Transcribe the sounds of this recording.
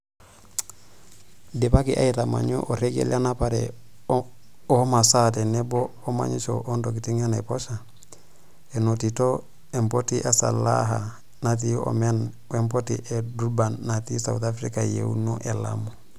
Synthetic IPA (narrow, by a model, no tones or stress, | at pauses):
depakiʔa̰itama̰ɲṵʔoɾeɡḛljanapaɾḛ | omasat̬enebooma̰ɲit͡ʃo̰ʔondokitiŋanepoʃa | enotito | empotiʔasa̰laɦa | nat̬io̰men | wempotiʔeduɾbanːatisa̰ut̪afɾikajḛṵnuʔela̰mo